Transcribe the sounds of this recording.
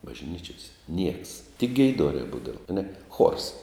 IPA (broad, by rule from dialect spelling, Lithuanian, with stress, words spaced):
bɐʒʲˈnʲiːt͡ʃʲoːsʲɛ nʲiɛks tʲɪk ɡʲɛɪˈdoːrʲɛː ˈbuːdɐʋɐ ɐˈnʲɛ xuɔrs